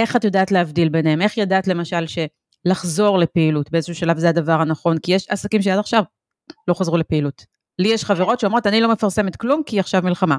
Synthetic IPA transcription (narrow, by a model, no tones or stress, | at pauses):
ʔe̞χatjodaːtleavdilbe̞neheme̞χjadaːt̪le̞maʃalʃe̞ | laχzo̞ʁle̞pe̞ilutbeezeʃuʃalavzeadavaʁhanaχo̞nkijeʃa̰sakimʃ̬eadaχʃav | lo̞χazʁule̞peilut | lijeʃχaveʁo̞tʃeomʁo̞tanilo̞mefaʁse̞met̪klumkiaχʃavmilχama